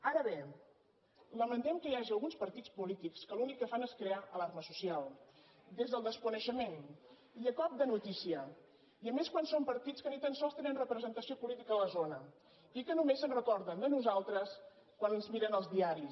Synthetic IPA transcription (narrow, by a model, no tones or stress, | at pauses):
aɾəβe | ləmənt̪ɛmkəjaʒiəlˠɣunspəɾt̪it͡spulit̪ikskəlunikːəfaneskɾeaʔəlarməsusialˠ | d̪ezðəlˠd̪əskunəʃəmen | iəkɔp̚d̪ənut̪isiə | iəmeskwansompəɾt̪it͡skənit̪ənsɔlˠst̪enənrəpɾəzənt̪əsiopulit̪ikəələzonə | ikənumesənrəkɔɾðənd̪ənuzalˠt̪ɾəs | kwanənzmiɾənəlˠzðiaɾi